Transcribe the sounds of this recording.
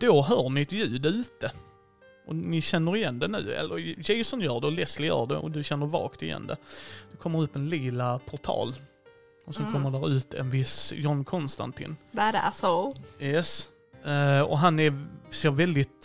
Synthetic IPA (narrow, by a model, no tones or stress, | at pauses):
d̪̥oɦœːɳɪt̪jʉ̟ːd̪əʉ̟ːt̪ə | ʔɔnɪɕɛnːəɾɪjɛnd̪ɛnʉ̟̰ːɛ̰lːəɾjɛɪsɔnjœːɖɛɔlɛslɪjœ̰ːɖɛ̰ʔɔ̰d̪ɵɕɛnːəɾvɑ̰ːkt̪ɪjɛ̰nd̪ɛ̰d̪̥ɔkʰɔmːəɾɵpːɛnliːlapʰɔʈʰɑ̰ːl | ɔsɛnkʰɔmːəɖæɾʉ̟ːt̪ɛ̰nvɪsjɔnkʰɔnst̪a̰nt̪ʰɪ̰nddɛʔasɔjɛs | ɔ̰ɦanɛɾseːɾvɛld̪ɪt̪